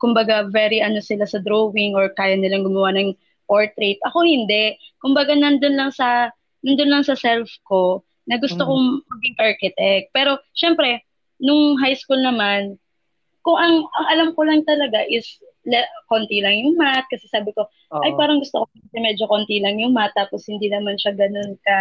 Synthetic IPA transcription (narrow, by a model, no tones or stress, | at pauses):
kʊmbɐɡavɛɾiʔɐnosɪlasɐd̪ɾowɪŋoɹkaːjɐnɪlaŋɡʊmɐwanɐŋ | poɹt̪ɾejt̪̚ʔɐko̞hɪnd̪ɛʔkʊmbɐɡanɐnd̪onlɐŋsɐ | nɐnd̪onlɐŋsɐsɛlfko̞ | nɐɡʊst̪okomɐɡɪŋʔaɹkɪt̪ɛk̚pɛːɾo̞ʃɛmpɾɛ | nʊŋɦajskulnɐman | kʊŋɐŋɐŋʔɐlamkolɐŋt̪ɐlɐɡaʔɪs | lɛkont̪ilɐŋjʊŋmat̪̚kɐsɛsaːbɪko̞ | ʔɐjpaːɾɐŋɡʊst̪okoɛmɛːd͡ʒokont̪ilɐŋjʊŋmat̪̚ːaːposhɪnd̪inɐmanʃɐɡɐno̞nkɐ